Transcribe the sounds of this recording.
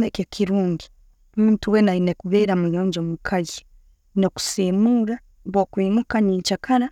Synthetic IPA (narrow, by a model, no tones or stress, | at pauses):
ekekʰiɾuːŋɡi | mimtuwenainekuβeːɾamujoːɲɟomukʰaji | noku̥simuɾa | βokwiːmukaniːt͡ʃakaɾa